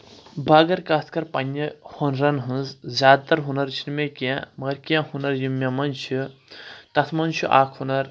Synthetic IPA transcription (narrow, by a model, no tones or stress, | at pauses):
bʱɐɡɐɾkat̪ʰkɐɾpɐnːɐhonɾɐnɦɨ̃nzzʲaːd̪̚t̪ɐɾɦunɐɾt͡ʃʰinmekjãmɐɐɾkijãhunɐɾjumːjamɐnt͡ʃʰu | t̪ɐt̪ʰmɐnt͡ʃʰuʔaːkʰhunɐɾ